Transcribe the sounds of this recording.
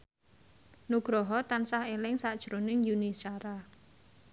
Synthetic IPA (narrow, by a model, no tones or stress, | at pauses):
nuɡ̥ɾɔɦɔt̪ansahelɪŋsad̥ʒ̥ɾonɪŋjunisaɾa